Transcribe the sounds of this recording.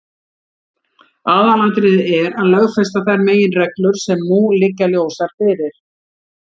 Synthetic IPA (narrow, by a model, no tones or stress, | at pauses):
aːðalant̪ɾɪðɛɾaðlœɣfɛst̪aθajɾmeːjɪnrɛklʏɾ̥sɛmnulɪkːaljoːwsaɾ̥fɪːɾɪɾ̥